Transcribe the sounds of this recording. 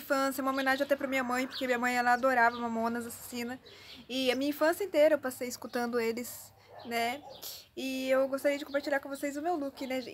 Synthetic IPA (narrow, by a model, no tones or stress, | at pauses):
fɐ̃sjɐumɐomẽnaʒẽat̪ɛpɾɐmĩɲɐmɐ̃j̃poɾkemĩɲɐmɐ̃j̃ɛlɐad̪oɾavɐũmɐmõnɐzasḁsĩnɐɪɐmĩɲɐĩfɐ̃sijɐẽt̪eɾɐewpasejɪskut̪ɐ̃nd̪ʊelɪs | nɛ | ɪewɡost̪aɾiɐd͡ʒɪkõpaɾt͡ʃilʎaɾkõvosejzʊmewlukɪnɛ